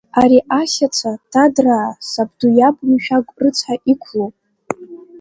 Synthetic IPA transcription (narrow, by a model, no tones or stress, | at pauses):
aɾiʔasat͡sʷʰatʰadraːsabdujabʼmʃᶣaɡʷʼrɨt͡sʷʰħaʔikʷʰlowʼ